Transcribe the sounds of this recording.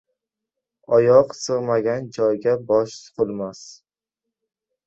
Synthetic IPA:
ɒjɒqsɨʁmaɡʲand͡ʒɒjɡʲabɒʃsqʰʊlˠmas

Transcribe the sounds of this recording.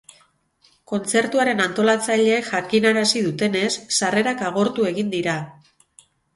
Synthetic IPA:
ko̞nt͡se̞ɾt̪uaɾe̞nant̪o̞lat͡saʎe̞ːkʝakinaɾasiðut̪e̞ne̞sːare̞ɾakaɣ̞o̞ɾt̪ue̞ɣind̪iɾa

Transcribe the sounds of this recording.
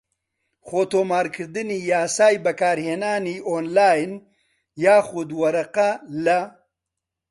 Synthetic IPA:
χoːt̪oːmaːɾkʰɨɾd̪ɨnijaːsaːjbɐkaːɾheːnaːniʔoːnlaːjn | jaːxʊd̪wɐɾɐqɐlɐ

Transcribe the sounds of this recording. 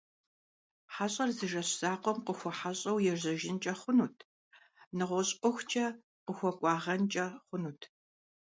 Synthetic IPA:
ħaɕʼɐrzɨʒɐɕz̥aːqʷɔmqəxʷɔħaɕʼɐwjɛrʑɐʒɪnt͡ʃʼɐχʷʊnuːtʰ | nɨʁʷɔɕʼqʷʼɔxʷt͡ʃʼɐ | qəxʷɔkʷʼɑːʁɐnt͡ʃʼɐχʷʊnuːtʰ

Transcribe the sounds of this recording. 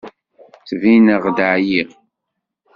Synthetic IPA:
t͡svinəʁd̪ʕjiʁ

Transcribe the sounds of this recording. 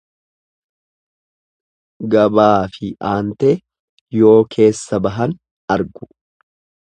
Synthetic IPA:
ɡɐbaːfɪʔaːnt̪eː | jo̞ːkʰe̞ːsːɐbɐɦɐn | ɐɾɡʊ̥

